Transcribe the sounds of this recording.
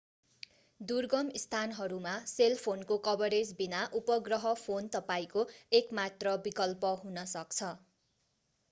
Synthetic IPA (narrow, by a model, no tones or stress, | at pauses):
d̪urɡʌmist̪ʰanɦʌɾumaselpʰonkokʌbʌɾed͡zbinaʔupʌɡrʌɦʌpʰont̪ʌpaĩkoekmat̪rʌbikʌlpʌɦunʌsʌkt͡sʰʌ